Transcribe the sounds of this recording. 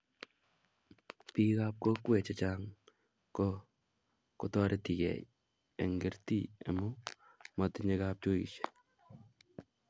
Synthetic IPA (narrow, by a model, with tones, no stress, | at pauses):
pi˦kap̚ko˦kwe˨t͡ʃet͡ʃaŋ | ko˦ | kotɔɾe˦ti˨kɛ̰˨j | ḛ˨ŋɡe˨ɾtiḛ˨mu˦ | matɪɲekap̚t͡ʃo˦ḭ˨ʃe̥